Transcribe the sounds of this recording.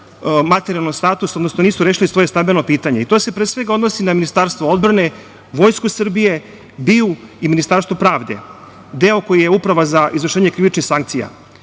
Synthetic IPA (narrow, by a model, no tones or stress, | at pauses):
mat̪eɾialnost̪aːt̪usod̪nosnoniːsuɾeʃilisʋo̞je̞st̪abilnopiːt̪aɲe̞it̪o̞ːse̞pɾesʋe̞ɡaod̪nosinaminist̪aɾst̪ʋood̪bɾane̞ | ʋo̞jskusɨr̩bije̞ | biuiminist̪aːɾst̪vopɾaːʋd̪e̞̰ | d̪e̞o̞ko̞jijeupɾaʋazaʔizʋər̩ʂeːɲekɾiʋit͡ʃnixsaŋkt̪sija̰